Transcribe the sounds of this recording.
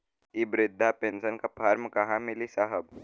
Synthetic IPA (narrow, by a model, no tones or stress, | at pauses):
ibɾɪd̪ʱːapensənkapʰaːɾmkɐɦãmɪlisaɦəb